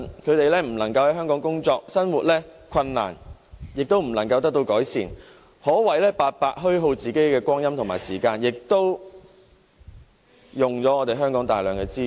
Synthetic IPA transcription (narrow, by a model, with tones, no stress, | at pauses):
kʰɵ˨˧ɥt̪e˨jlɛː˥m̩˨˩lɐ˨˩ŋkɐ˧whɐ˨˥jɦœː˥ŋkɔː˨˥ŋkʊ˥ŋt͡sɔː˧k̚sɐ˥nwuː˨t̚lɛː˥kʰɐ˧nːa̰ː˨˩njɪ˨k̚t̪o˥wm̩˨˩lɐ˨˩ŋkɐ˧wt̪ɐ˥k̚t̪o˧wkɔː˨˥jsiː˨˩n | hɔː˨˥wɐ˨˩jlɛː˥paː˧t̚paː˧t̚ɦɵ˥ɥɦo˧wt͡siː˨ke˨˥jkɛː˧kʷɔː˥ŋjɐ˥mt̪ʰʊ˨˩ŋma̰ː˨˩jsiː˨˩kaː˧njɪ˨k̚t̪o˥w | jʊ˨ŋt͡sɔː˨˥ŋɔː˨˧e˨jɦœː˥ŋkɔː˨˥ŋt̪aː˨jlœː˨˩ŋkɛː˧t͡siː˥